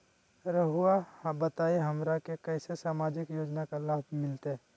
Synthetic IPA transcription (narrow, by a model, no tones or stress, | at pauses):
ɾəɦuahbət̪aːeɦɐmɾakekɛːsesaːmaːd͡ʒɪkjoːd͡ʒnakalaːbʱmɪlt̪eɦɛ